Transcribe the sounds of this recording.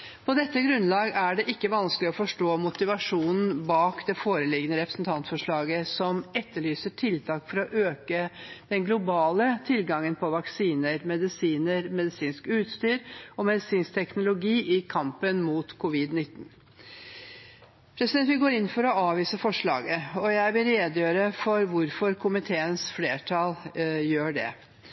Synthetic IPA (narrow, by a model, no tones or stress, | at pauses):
pʰɔd̪ɛt̪ːəɡɾʉnlɑːɡæɖɛʔɪkːəʋɑnsklɪɔfɔʂʈoːmʊt̪ɪʋɑʂuːnn̩bɑːkd̪ɛfoːɾəlɪɡənəɾɛpɾəsnt̪ʰɑnt̪fɔʂɭɑːɡəsɔmɛt̪ːəɭyːsəʈʰɪlt̪ʰɑːkfɔɾɔʔøːkəd̪̥ɛnɡlʊbɑːlət̪ʰɪlɡɑŋːənpʰɔʋɑksiːnəɾmɛd̪ɪsiːnəɾmɛd̪ɪsiːnskʉːt̪st̪yːɾɔmɛd̪ɪsiːnst̪ʰɛknʊlʊɡiːʔɪkʰɑmpənmuːt̪kʰʊʋɪd̪nɪt̪ːn | pʰɾɛsɪd̪ɛnt̪ʋɪlɡoːɾɪnːfɔɾɔɑːʋiːsəfɔʂɭɑ̰ːɡəɔjæɪʋɪlɾeːd̪jøːɾəfɔɾʋʊɾfɔɾkʰʊmɪt̪ʰeːənsfleːʈʰɑljøːɖɛ̰